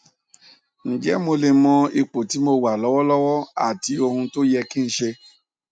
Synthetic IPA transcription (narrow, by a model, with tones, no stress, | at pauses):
n̩˨d͡ʒɛ˦mo˧le˨mɔ̃˧i˧k͡po˨ti˨˦mo˧wa˨lɔ˨˦wɔ˦lɔ˦wɔ˦a̰˦˨ti˧˦o˧ɦũ˧to˦jɛ˧ki˦n̩˦ʃe˧